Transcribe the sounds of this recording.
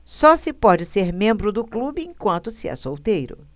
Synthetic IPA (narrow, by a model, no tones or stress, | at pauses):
sɔsɪpɔd͡ʒɪseɾmẽmbɾʊd̪ʊklubɪẽj̃kwɐ̃nt̪ʊsɪɛ̰sowt̪ejɾʊ̰